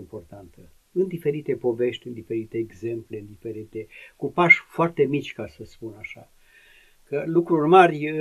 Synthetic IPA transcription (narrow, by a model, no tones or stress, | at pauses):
mpo̞rt̪ant̪ə | ɨnd̪ife̞ɾit̪e̞po̞ve̞ʃt̪ʲɨnd̪ife̞ɾit̪eːɡze̞mple̞ɨnd̪ife̞ɾit̪e̞kupaʃfoart̪e̞mit͡ʃʲkasəspunaʃa | kəlukɾurmarʲ